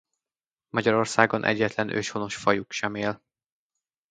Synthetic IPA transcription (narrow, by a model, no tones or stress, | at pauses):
mɒɟɒɾo̞rsaːɡo̞nʔɛ̰ɟːɛt̪lɛnʔø̰ːʃhono̞ʃfɒjukʃɛmeːl